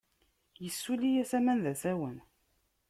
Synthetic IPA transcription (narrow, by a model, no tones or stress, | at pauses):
jəsːulijæθæmænðæθæwən